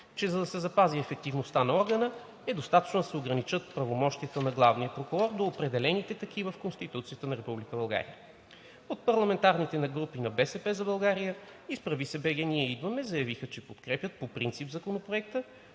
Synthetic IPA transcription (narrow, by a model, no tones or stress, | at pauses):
t͡ʃɛzɐd̪ɐsɛzɐpaziɛfɛk̚t̪ivnost̪anɐɔɾɡənə | ɛd̪ost̪at̪ə̥t͡ʃnod̪ɐsɛoɡɾɐnit͡ʃɤt̪̚pɾɐvomɔʃt̪iət̪ənɐɡlˠavnijəpɾokʊɾɔɾd̪oːpɾɛd̪ɛlɛnit̪ɛt̪ɐkʰivəfkonst̪it̪ut̪sijət̪ənɐɾɛpublikəbɐlˠɡa̰ɾḭə | ot̪̚pɐɾlˠɐmɛnt̪aɾnit̪ɛnɐɡɾupinɐbɛsɛpɛzɐbɐlˠɡaɾijə | ispɾɐvisɛbɛɡɛniɛid̪vɐmɛzɐjɐvixət͡ʃɛpot̪kɾɛpjət̪̚popɾint̪sipzɐkonopɾoɛk̚t̪ə